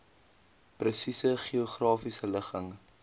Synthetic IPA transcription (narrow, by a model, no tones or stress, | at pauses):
prəsisəχioχrɑːfisələχəŋ